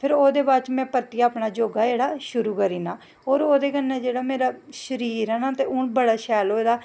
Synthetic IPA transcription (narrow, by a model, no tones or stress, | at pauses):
pʰɪɾoːd̪eːbaːt͡ʃmɛ̃ːpəɾt̪iːaːpɳaːd͡ʒoːɡaːeːɽaːʃʊɾuːkəɾiːnaː | ɦoːɾoːd̪eːkənːeːd͡ʒeːɽaːmeːɾaːʃəɾiːɾɛːnaːt̪eːʊnbəɽaːʃɛːloːeːd̪aː